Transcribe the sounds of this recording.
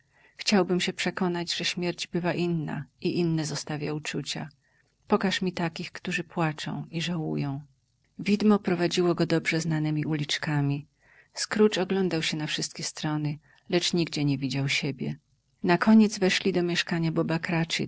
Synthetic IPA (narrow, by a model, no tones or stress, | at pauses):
xt͡ɕawbɘmɕɛpʂɛkɔnad͡ʑʐɛɕmʲjɛɾd͡ʑbɘvaʔinːa̰iʔinːɛzɔst̪avʲjaut͡ʂut͡ɕa̰ | pɔkaʂmʲit̪akʲixkt̪uʐɘpwat͡ʂɔ̰̃w̃iʐawujɔ̃w̃ | vʲid̪mɔpɾɔvad͡ʑiwɔɡɔd̪ɔbʐɛznanɛmʲiʔulʲit͡ʂkamʲi | skɾut͡ʂɔɡlɔnd̪awɕɛnafʂɘst̪̚kʲɛst̪ɾɔnɘ | lɛt͡ʂɲiɡd͡ʑɛɲɛvʲid͡ʑawɕɛbʲjɛ̰ | nakɔɲɛd̪zvɛʂlʲid̪ɔmʲjɛʂkaɲabɔbakɾat͡ʂɨ̰